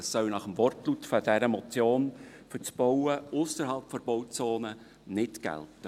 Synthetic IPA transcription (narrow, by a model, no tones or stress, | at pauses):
sːœwnɑχəmʋɔrtlutfd̥æɾəmɔt͡sjoːn | fʏt͡sb̥ɔwəʔʊsəɾɦɑlˠpfɔɾb̥ɔwt͡soːnə | nɪtɡ̥æ̰ltə